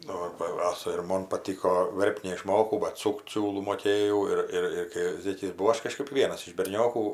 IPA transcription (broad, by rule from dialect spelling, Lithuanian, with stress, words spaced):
ˈnʊ bɐ ˈɑːsɐ ɪr ˈmoːn pɐˈtʲiːkoː ˈʋʲɛrpt nʲɛɪˈʃmoːkɐʊ bɐt ˈsʊkt ˈsʲuːlˠuː moːˈkʲeːjɛʊ ˈɪr ˈɪr ɪr kɐɪ ˈzʲeːkʲɪs bʊˈʋɐʊ ˈɐʃ kɐˈʃkɜp ˈʋʲiɛnɐs ɪʃ bʲɛrʲˈnʲoːkuː